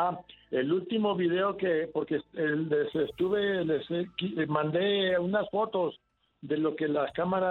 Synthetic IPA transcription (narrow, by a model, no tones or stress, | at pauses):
ae̞lult̪imo̞βiðe̞o̞ke̞po̞ɾkeseesest̪uβelesekimãnd̪e̞unasfo̞t̪o̞s | ðe̞lo̞ke̞laskamaɾa